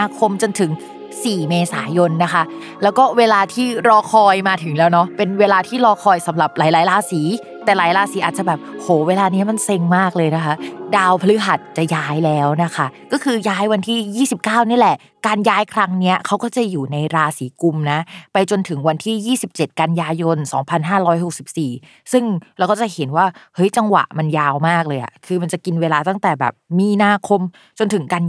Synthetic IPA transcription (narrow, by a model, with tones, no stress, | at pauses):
a˧kʰo˧mt͡ɕo˧nt̪ʰɯ˩˦ŋ | siː˨˩meː˧sa̰ː˩˦jo˧nːa˦˥kʰa˦˥ | lɛː˦˥wkɔː˥˩weː˧laː˧t̪ʰiː˥˩ɾɔː˧kʰɔː˧jmaː˧t̪ʰɯ˨˩˦ŋlɛː˦˥wnɔ˦˥pe˧nweː˧laː˧t̪ʰiː˥˩ɾɔː˧kʰɔː˧jsa˩˦mɾa˨˩p̚laː˨˩˦jlaː˨˦jɾaː˧siː˩˦ | t̪ɛː˨˩laː˨˩˦jlaː˧siː˩˦ʔaː˨˩t̪̚t͡ɕa˨˩bɛː˨˩p̚hoː˨˩˦weː˧laː˧ni˦˥ɐma˧˥˨nse˧ŋmaː˥˩k̚lɤː˧jna˦˥kʰa˦˥daː˧wpʰa˧lɯ˦˥ɦa˨˩t̪̚t͡ɕa˨˩jaː˦˥jlɛː˦˥wna˦˥kʰa˦˥kɔː˥˩kʰɯː˧jaː˦˥jwa˧nt̪ʰiː˥˩jiː˥˩si˨˩p̚kaː˥˩wni˥˩˨lɛ˨˩ʔ | kaː˧njaː˦˥jkʰɾa˦˥ŋni˦˥ɐkʰa˦˥wkɔː˥˩t͡ɕa˨˩juː˨˩na˧jɾaː˧siː˩˦ku˧mna˦˥pa˧jt͡ɕo˧nt̪ʰɯ˩˦ŋwa˧nt̪ʰiː˥˩jiː˥˩si˨˩p̚t͡ɕe˨˩t̪̚ka˧njaː˧jo˧nsɔː˩˦ŋpʰa˧nɦaː˥˩ɾɔː˦˥jho˨˩k̚si˨˩p̚siː˨˩ | sɯ˥˩ŋɾɛː˧˦˥wkɔː˥˩t͡ɕa˨˩he˩˦nwaː˥˩hɤ˦˥jt͡ɕa˧ŋwa̰˨˩ʔma˧njaː˧wmaː˥˩k̚lɤː˧jʔa̰˨˩kʰɯː˧ma˧nt͡ɕa˨˩ki˧nweː˧laː˧t̪a˥˩ŋt̪ɛː˨˩bɛ̰ː˨˩p̚miː˧naː˧kʰo˧m | t͡ɕo˧nt̪ʰɯ˩˦ŋka˧n